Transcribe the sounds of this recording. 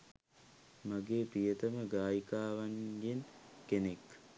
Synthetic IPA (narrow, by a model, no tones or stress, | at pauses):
maɡeːpijət̪əməɡaːjikaːʋaɲɡenkenek